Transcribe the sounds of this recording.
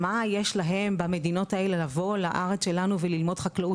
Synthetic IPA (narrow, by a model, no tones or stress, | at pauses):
majeʃlaɦe̞mbame̞dino̞tae̞le̞lavo̞laʔaʁe̞t͡sʃe̞lanuvelilmo̞dχaklau